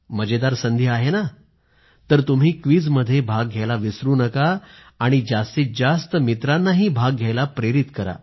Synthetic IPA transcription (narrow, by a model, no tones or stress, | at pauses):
məd͡ʑed̪aɾsənd̪ʱjəaɦena | t̪əɾt̪um̤iːkʋiːd͡zməd̪ʱːjebʱaɡɡʱalaʋisɾuːnəkaː | ɽ̃id͡ʑast̪iːd͡zast̪əmit̪ɾanːaɦiːbʱaɡɡʱjajlapɾeɾit̪kəɾa̰